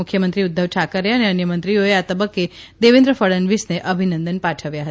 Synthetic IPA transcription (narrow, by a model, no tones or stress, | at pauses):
ʊkʰjəmənt̪ɾiud̪ʱːəʋʈʰakəɾeəneənjəmə̃nt̪ɾioeat̪əbəkːed̪eʋẽnd̪ɾəfəɭənʋisneʔəbʱinənd̪ənpaʈʰəʋjaɦəta